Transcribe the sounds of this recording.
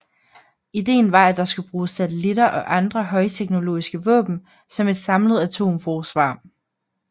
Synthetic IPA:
id̥e̝̰ːn̩ʋɑ̈æd̥ɑ̈sɡ̥ub̥ʁuːsːæt͡sʰelidɐʔɒ̽ʔɑ̈nd̥ʁɐɦɒ̽ɪt͡sʰeɡ̥no̝lo̝̰ːisɡ̥əʋɔ̰̽ːb̥n̩ | sɒ̽me̝d̥sɑ̈mləð̞̩ˠæt͡sʰo̝̰ːmfɒːsʋɑ̈ː

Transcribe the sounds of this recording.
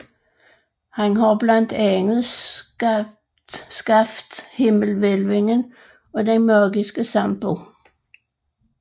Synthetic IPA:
hænɦɑblɑnd̪̥ɛŋəð̩ˠ | skɑfd̪̥hɪməlʋelʋɪŋən | ɔ̽d̪ɛnmɑːɡɪsɡ̥əsɑmb̥u

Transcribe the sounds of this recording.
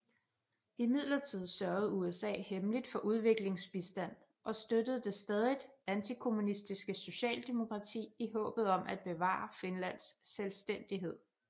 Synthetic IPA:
imið̞̰ˠlɐt͡sʰið̞̰ˠsɶɐð̩ˠuesɛ̰ːhemlid̥fɒ̽ʔuð̞ˠʋe̝ɡ̥le̝ŋsb̥isd̥æn̰ | ʔɒ̽sd̥ød̥əð̩ˠd̥e̝sd̥ɛːð̞ˠid̥ænt͡sʰikʰo̝munisd̥isɡ̥əso̝ɕɛ̰ːld̥e̝mo̝kʰʁɑ̈t͡sʰḭːiɦɔ̰̽ːb̥ð̩ˠɒ̽mʔæd̥̚b̥e̝ʋɑ̰̈ːɑfe̝nlæn̰sːelsd̥en̰d̥iɦe̝ð̞̰ˠ

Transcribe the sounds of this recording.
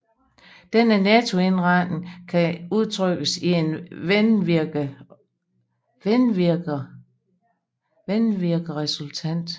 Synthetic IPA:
d̥enənɛt͡sʰo̝e̝nʁɑd̥n̩kʰæuð̞ˠt͡sʰʁœɡ̥əsie̝nn | nɡ | ʋenʋiɐɡ̥ɐʁɛsult͡sʰæn̰d̥

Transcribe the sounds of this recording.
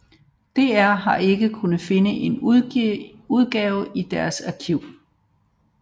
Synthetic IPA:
d̥e̝ːæɐ̰ɦɑ̈e̝ɡ̥əkʰunð̩ˠfe̝nəʔe̝n | uð̞ˠɡ̥ɛːʊʔid̥æɐsæɐkʰiʊ̰

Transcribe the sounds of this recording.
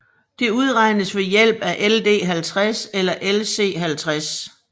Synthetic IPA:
d̥e̝uð̞ˠʁɑ̈ɪnəsʋe̝jel̰b̥æʔeld̥e̝̰ːɦælt͡sʰʁaselɐʔelse̝̰ːɦælt͡sʰʁas

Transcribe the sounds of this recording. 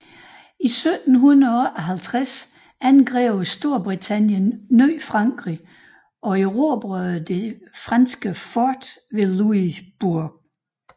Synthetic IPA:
isød̥n̩ɦunɐʔɒ̽ɦælt͡sʰʁas | ænɡ̥ʁɛʊsd̥o̝ɐ̰b̥ʁit͡sʰæn̰jənːøːfʁɑ̈ŋɡ̥ʁi | ʔɒ̽eʁob̥ʁœðd̥e̝fʁɑnsɡ̥əfɔd̥ʋe̝luib̥uɐ̰

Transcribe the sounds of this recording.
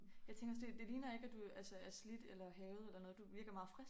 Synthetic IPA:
jɑ̈ɪt͡sʰeŋɡ̥ɒd̥e̝d̥e̝liːnɐe̝ɡ̥æd̥uælsəæɐslid̥elɐɦɛːʊð̞ˠelɐnɔ̽ːð̞̩ˠd̥uʋiɐɡ̥ɐmɑ̈ːð̩ˠfʁɛs

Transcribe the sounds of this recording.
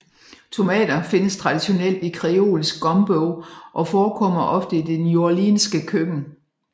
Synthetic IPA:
t͡sʰo̝mɛ̰ːd̥ɐfe̝nəst͡sʰʁɑ̈d̥iɕo̝nel̰d̥ikʰʁɛo̝̰ːlsɡ̥ɡ̥ɒ̽mb̥oʊʔɒ̽fɒːkʰɒ̽m̰ɐʔɒ̽fd̥əid̥enjo̝ɐlḭːnsɡ̥əkʰøɡ̥n̩

